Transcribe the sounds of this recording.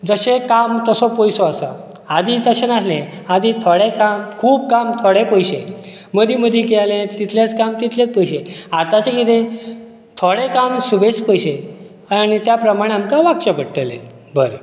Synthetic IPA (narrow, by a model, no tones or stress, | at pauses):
d͡zəɕekamt̪əsɔpɔjsɔasa | ad̪it̪əɕenaslẽ | ad̪it̪ʰoɽekamkʰuːb̚kamt̪ʰoɽepəjɕẽ | məd̪iməd̪ʱjikelẽt̪it̪ʰljat͡skamt̪it̪ʰljat͡spəjɕeat̪at͡ɕekid̪ẽ | t̪ʰoɽekamsubespəjɕe | aɽ̃it̪japɾəmaɽ̃eamkaʋakɕəpəɽʈ̪əlḛ̃ | bəɾe